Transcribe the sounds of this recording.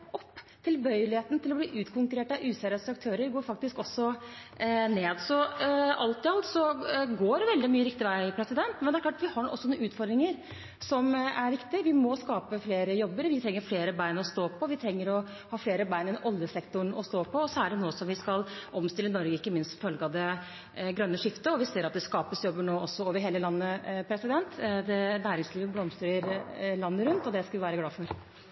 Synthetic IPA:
ʔɔpː | t̪ʰɪlbœʏəlɪheːt̪nət̪ʰɪlɔbliːʔʉːt̪kʰʊŋkʉɾeːʈɑʔʉːsæːɾəsɑk̚t̪ʰøːɾəɾɡoːɾfɑk̚t̪ɪskɔsːɔ | neːd̪sɔɑlt̪ɪɑlt̪sɔɡoːɾʋɛld̪ɪmyːəɾɪkt̪ɪʋæɪpʰɾɛsɪd̪ɛnt̪mɛnd̪ɛæɾklɑːʈʋɪhɑɳʔɔsːɔnuʉːt̪fɔɾd̪ɾɪŋəɾ | sɔmæɾʋɪkt̪ɪʋɪmɔskɑːpəfleːɾəjɔbːəɾʋɪt̪ʰɾɛŋːəɾfleːɾəbæɪnɔst̪oːpʰːɔʋɪt̪ʰɾɛŋːəɾɔ | hɑːfleːɾəbæɪnɛnɔljəsɛkt̪ʊɳɔst̪oːpʰɔɔsɔæɖɛnoːsɔmʋɪskɑlʔɔmst̪ɪlːənɔɾɡəɪkːəmɪnst̪fœlɡəɑd̪ɛ | ɡɾœnːəʂɪft̪əɔʋɪseːɾɑt̪̚d̪ɛskɑːpəsjɔbːəɳoːɔsːɔoːʋəɾɦeːləlɑnːəpʰɾɛsɪd̪ɛnt̪d̪ɛnæːɾɪŋsliːʋəblɔmsɾəɾlɑnːəɾʉnt̪ɔd̪ɛskɑʋ̪ɪʋæːɾəɡlɑːfɔɾ

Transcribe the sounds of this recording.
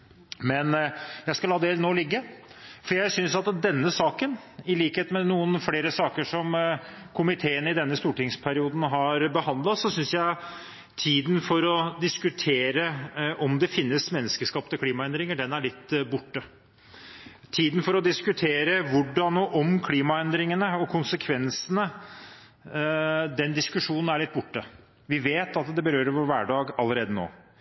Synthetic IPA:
mɛnjæɪskɑlhɑːd̪ɛeːlnoːlɪɡːəfɔɖjæɪsʏnsɑt̪d̪ɛnːəsɑːkənɪliːkəheːt̪mɛnuːənfleːɾəsɑːkəʂɔm | kʰʊmɪt̪ʰeːənəɪd̪ɛnːəst̪uːʈɪŋspʰæɾɪuːd̪n̩ɦɑɾbəhɑnd̪lɑsɔsʏnsjæɪ | t̪ʰiːd̪ən̩fɔɾɔd̪ɪskʉt̪ʰeːɾəʔɔmd̪ɛfɪnːəsmɛnːəskəʂkɑːpət̪ʰɪkʰliːmɑɛnd̪ɾɪŋəɖɛnæɭɪt̪ːbʊʈːə | t̪ʰiːd̪n̩fɔɾɔd̪ɪskʉt̪ʰeːɾəʋʊɖɑnɔʔɔmkʰliːmɑɛnd̪ɾɪŋənəɔkʰʊnsəkʰʋɛnsənə | d̪ɛnd̪ɪskʉʂuːnn̩æɭɪt̪ːbʊʈːə | ʋɪʋeːt̪ɑt̪d̪ɛbəɾøːɾəɾʋoːɾʋæːɖɑːɡɑlːəɾeːd̪əno̰ː

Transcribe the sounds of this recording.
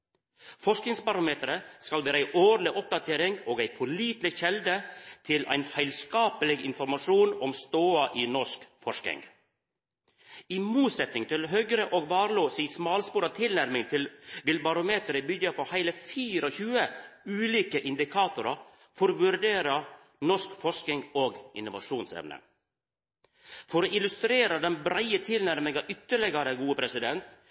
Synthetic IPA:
fɔʂknɪŋspɑɾɑmeːt̪əɾəskɑlʋeːɾəæɪʔoːɾlɪʔɔp̚d̪ɑt̪ʰeːɾɪŋɡoːɡæɪpʰɔliːt̪lɪçɛld̪ət̪ʰɪlʔæ̰ɪnhæɪlskɑːpəlɪɡɪ̰nfɔɾmɑʂuːnɔmst̪oːɑʔiːnɔʂkfɔʂkɪ̰ŋ | imuːt̪sɛt̪nɪŋt̪ʰɪlɦœɡɾəʔoːɡʋɑːɾloːsɪːsmɑːlspuːɾɑt̪ʰɪlnæɾmɪŋt̪ʰɪlʋɪlbɑɾʊmeːt̪əɾɪbʏɟɑpʰohæɪləfiːɾɔçʉːəʉːliːkəʔɪnd̪ɪkʰɑːt̪ʊɾɑ | fɔɾʋʉɾɖeːɾɑ | nɔʂkfɔʂkɪŋoːɡʔɪ̰nːʊʋɑ̰ʃuːnsɛ̰ʋnə̰ | fɔɾoːɪlʉst̪ɾeːɾɑd̪ɛnbɾæɪət̪ʰɪlnæɾmɪŋɑʔʏt̪ːəɭɛɡɑɾəɡuːəpʰɾɛsɪd̪ɛnt̪

